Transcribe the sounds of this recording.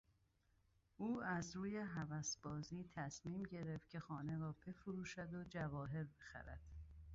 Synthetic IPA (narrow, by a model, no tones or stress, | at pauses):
ʔuːæzɾuːjeɦævæsb̥ɒːziːt̪ʰæsmiːmɟe̞ɾeft̪̚cʲʰe̞xɒːne̞ɾɒːbe̞fuɾuːʃæd̪od͡ʒævɒːɦe̞ɾbe̞xæ̰ɾæ̰d̪̥